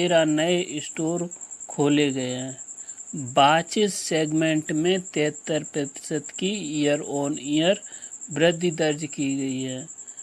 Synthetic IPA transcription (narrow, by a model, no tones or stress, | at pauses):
eːɾanəeʔɪsʈoːɾkʰoːleɡɐeɦɛ̃ː | baːt͡ʃɪsseːɡmẽɳʈmẽt̪ɛːt̪ːəɾpɾət̪ɪ̥səd̪kiijəɾɔːnijəɾbɾɪd̪ʱid̪əɾd͡ʒkiɡəiɦɛː